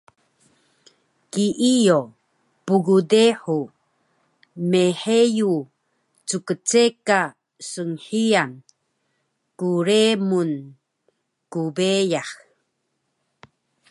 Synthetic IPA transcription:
kiʔijo | puɡudeħu | meħeju | t͡sukət͡seka | səŋħian | kuɾemun | kubejah

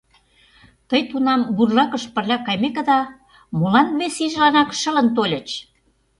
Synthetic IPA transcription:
t̪əjt̪unɑmburlɑkə̆ʃpə̆rlʲɑkɑjmekə̆d̪ɑ | molɑnβesiʒlɑnɑkʃə̆lə̆nt̪olʲə̆t͡ɕ

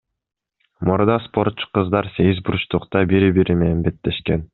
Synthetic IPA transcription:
muɾd̪ɑspo̞ɾt̪t͡ʃːu̥qɯzd̪ɑɾse̞ɡʲizbuɾuʃt̪uqt̪ɑbiɾibiɾime̞nenbe̞t̪ːe̞ʃke̞n

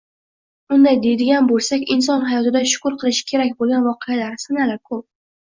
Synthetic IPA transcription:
ʊnd̪ajd̪e̞d̪ɪɡʲanbolˠsakʲɪns̬ɒnɦajɒt̪ɪd̪aʃʊ̥kʊɾqʰɨlˠɪʃɪ̥kʲʰe̞ɾakʲbolˠɡʲanvɒqʰɨjalaɾsanalaɾkʰop̚

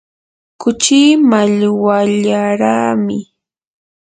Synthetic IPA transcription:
kʊt͡ʃiːmaʎwaʎaɾaːmɪ

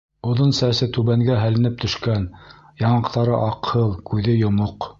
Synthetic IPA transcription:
ŏðonsæsɘt̪ʉβæŋɡæɦælɘ̆nɘp̚t̪ɵ̆ʃkæn | jɑɴɑqt̪ɑɾɤ̰ʔɑqhɤlˠkʉðɘjŏmoq

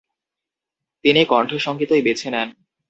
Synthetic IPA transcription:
t̪inikɔɳʈʰoʃɔŋkit̪ojbet͡ɕʰenɛn

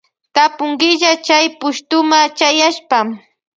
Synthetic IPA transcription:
t̪apʊŋɢɪʎat͡ʃajpʊʃt̪ʊmat͡ʃajaʃpam

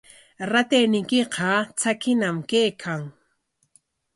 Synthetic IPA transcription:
ɾat̪ejnɪjkɪqɑt͡sakɪnamkejkʰaŋ

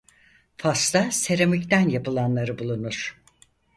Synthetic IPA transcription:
fast̪ase̞ɾemict̪ænjapɯlˠanlˠaɾɯbulˠunuɾ̥

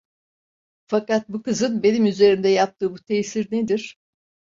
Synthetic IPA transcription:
fakat̪̚bukɯzɯnbe̞nimyze̞ɾimd̪ɛjap̚t̪ʰɯːbut̪ʰejsiɾned̪iɾ̥

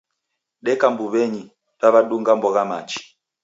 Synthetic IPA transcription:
ɗɛkambuβɛɲi | βaβaɗuŋɡambɔɣamat͡ʃi̥

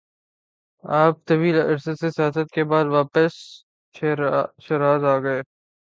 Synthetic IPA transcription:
aːp̚t̪ɐʋiːlɐ̰ɾsesesɪɦaːsət̪̚kebaːd̪ʋaːpəs | ʃeɾaːzaːɡɐeː

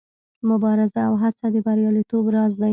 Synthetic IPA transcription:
mʊbɑɾɪzaːwɦat͡sad̪əbaɾjɑlit̪obɾɑzd̪a

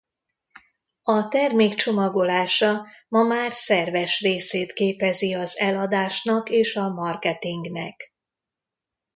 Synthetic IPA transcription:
ɒt̪ɛrmeːkt͡ʃo̞mɒɡo̞laːʃɒmɒmaːrsɛrvɛʃreːseːt̪keːpɛziɒzɛlɒd̪aːʃnɒkeːʃɒmɒrkɛt̪iŋɡnɛ̰k

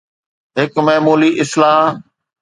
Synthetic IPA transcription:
ɦɪkmɐːmuːliʔɪslaː

